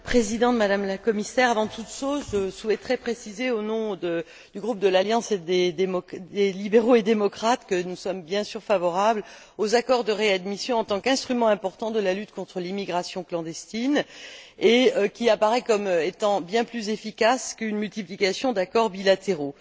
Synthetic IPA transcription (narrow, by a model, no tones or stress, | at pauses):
pχezid̪ɑ̃t̪mad̪amlakɔmisɛʁavɑ̃t̪ut̪ʃozʒəsuɛt̪χɛpχesizeonɔ̃d̪ə | d̪̥yɡʁup̚d̪əlaljɑ̃sed̪ed̪emɔelibeʁoed̪emɔkχat̪kənusɔmbjɛ̃syʁfavɔʁabl | ozakɔʁd̪əʁead̪misjɔ̃ɑ̃t̪ɑ̃kɛ̃st̪χymɑ̃ɛ̃pɔʁt̪ɑ̃d̪əlalyt̪kɔ̃t̪χəlimiɡʁasjɔ̃klɑ̃d̪ɛst̪ineøkʲiapaʁɛkɔmet̪ɑ̃bjɛ̃plyzefikaskynmylt̪iplikasjɔ̃d̪akɔʁbilat̪eʁo